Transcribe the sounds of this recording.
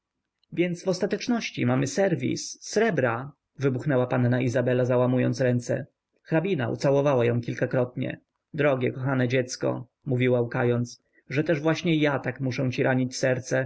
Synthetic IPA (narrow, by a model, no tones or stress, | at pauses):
vʲjɛnt̪svɔst̪at̪ɛt͡ʂnɔɕt͡ɕḭmamɘsɛɾvʲḭsːɾɛbɾa | vɘbuxnɛwapanːaʔizabɛlazawamujɔ̰nt̪sɾɛnt̪sɛ̰ | xɾabʲinaʔṵt̪sawɔvawajɔ̃w̃kʲilkakɾɔt̪ɲɛ̰ | d̪ɾɔɡʲjɛkɔxanɛd͡ʑɛt̪skɔ̰ | muvʲiwaukajɔnt̪s | ʐɛt̪ɛʐvwaɕɲɛjat̪akmuʂɛw̃t͡ɕiɾʔaɲit͡ɕsɛɾt̪sɛ